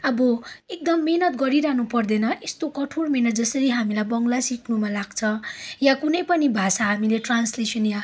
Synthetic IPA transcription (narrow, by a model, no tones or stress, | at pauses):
ʌbʌek̚d̪ʌmːenʌt̪̚ɡʌɾiɾaɦnupʌrd̪enʌʔest̪okʌʈʰoɽmenʌt̪̚d͡zʌsʌɾiɦamilajbʌŋɡlasikʰnumalaɡt͡sʰʌ̃jakunʌjpʌnibʱasaɦamileʈranslesʌnja